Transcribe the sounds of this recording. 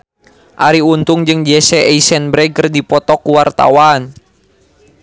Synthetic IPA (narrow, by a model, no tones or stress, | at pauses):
ʔaɾiunt̪uŋd͡ʒɨŋd͡ʒɛsɛɛisɛnbɾɛɡərdipɔt̪ɔkuwart̪a̰wan